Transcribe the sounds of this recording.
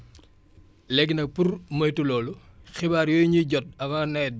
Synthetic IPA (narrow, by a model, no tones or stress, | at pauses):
lɛɡnɐk̚purmɐjtulɔːluxibaːɾjɔːjɲiɟɔt̚ɐmaːnɛt̚